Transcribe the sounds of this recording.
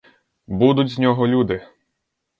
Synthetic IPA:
bud̪ʊtʲznʲɔɦɔlʲud̪ɪ

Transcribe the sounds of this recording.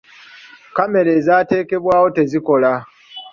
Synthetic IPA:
kame̞ɾe̞ːzaːte̞ːke̞βwaːwo̞te̞ziko̞la

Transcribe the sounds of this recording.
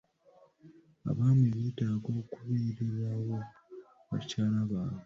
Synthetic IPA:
a̰βaːmeβiːtaːɡo̞ːkuβiːɾiɾawo̞ | βa̰caːlaβaːne

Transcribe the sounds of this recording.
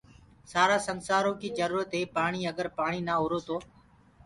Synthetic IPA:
saːɾaːsənsaːɾoːkiːd͡ʒəɾuːɾət̪ɦeːpaːɳ̃iːəɡəɾpaːɳiːnaːʊɾoːt̪oː

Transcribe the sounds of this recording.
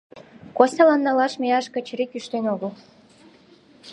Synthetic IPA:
kosʲɑlɑnːɑlɑʃmeɑʃkə̆t͡ɕɾikyʃt̪enoɣəl

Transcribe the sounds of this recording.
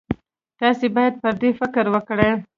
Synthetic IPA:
t̪ɑsebɑjad̪̚pəɾd̪efɪkɾwəkɽəj

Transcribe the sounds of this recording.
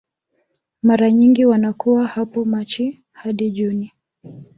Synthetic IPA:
maɾaɲiŋɡiwanakuwahapɔmat͡ʃi | haɗiʄuni

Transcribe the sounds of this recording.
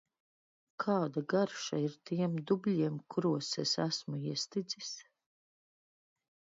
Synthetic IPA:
kʰaːd̪aɡaɾʃaiɾt̪iɛmd̪ublʲiɛmkʰuɾuɔsɛsæsmuiɛst̪id̪zis

